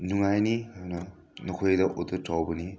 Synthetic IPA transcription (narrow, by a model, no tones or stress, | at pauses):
nuŋajnianɐ | nokʰojdɐʔotːɯtʰawbɐni